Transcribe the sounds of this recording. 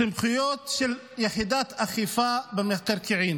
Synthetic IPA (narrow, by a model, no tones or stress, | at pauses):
ɪmxɪjoːt̪ʃɪl | jaħiːd̪aːt̪ʔaxifaːbɪmɪt̪ɑɾˤkɪʕiːn